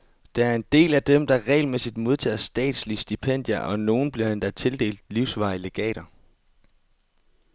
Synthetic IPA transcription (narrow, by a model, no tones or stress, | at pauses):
d̥eæɐe̝nd̥e̝̰ːlæd̥emd̥ɑ̈ʁɛ̰ɪlmesid̥mo̝ð̞ˠt͡sʰɛ̰ːsd̥ɛ̰ːd̥slisd̥ipʰen̰d̥jɐʔɒ̽no̝ːn̩b̥liɐd̥end̥æt͡sʰe̝ld̥e̝̰ːld̥liʊsʋɑ̈ɪle̝ɡ̥ɛ̰ːɾ̥ɐ